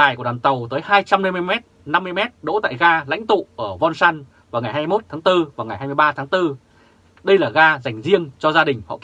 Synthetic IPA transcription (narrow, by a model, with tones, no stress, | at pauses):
aː˨˩jku˧˩əɗaː˨˩nt̪ə˨˩wt̪əː˨˦jhaː˧jt͡ɕa˧mna˧jmɨ˧ə˧jmɛ˦˥t̚na˧mːɨ˧əjmɛ˦˥t̚ɗo̰˧˥t̪a̰ː˧˨jɣaː˧la̰˧˥jŋ̟t̪ṵ˧˨ʔəː˧˩vɔ˧nsaː˧n | vaː˨˩wŋa˨˩jɦaː˧jmo˦˥t̚t̪ʰaː˨˦ŋt̪ɨ˧vaː˨˩wŋa˨˩jhaː˧jmɨ˧jɓaː˧t̪ʰaː˨˦ŋt̪ɨ˧ | ɗə˧jlaː˨˩ɣaː˧za˨˩jŋ̟zi˧əŋt͡ɕɔ˧zaː˧ɗï˨˩ŋ̟hɔ̰˧˨k